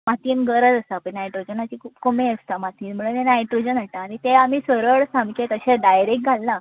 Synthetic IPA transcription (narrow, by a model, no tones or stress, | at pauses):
mat̪iənɡəɾəd͡z̪əsapəɳnajʈɾod͡ʑənat͡ɕiːkʰuːpkomeəst̪amat̪iːnm̤əɽunenajʈɾod͡ʑənaʈaːɽ̃it̪eam̤iːsəɾəɭsãmkʰet̪əɕẽɖajɾek̚ɡʱalːa